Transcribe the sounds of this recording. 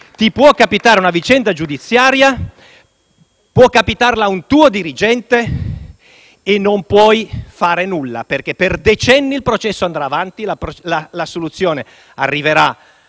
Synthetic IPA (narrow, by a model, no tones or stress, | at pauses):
t̪ipwɔkːapit̪aːɾeunavit͡ʃɛnd̪ad͡ʒud̪it̪sːjaːɾja | pwɔkːapit̪arlaunt̪uːod̪iɾid͡ʒɛnt̪e | enːompwɔjfaːɾenulːa̰perk̟epːerd̪et͡ʃɛnːiːlpɾot͡ʃɛsːoand̪ɾaːvant̪ilaplalasolut̪sːjoːne | arːiveɾa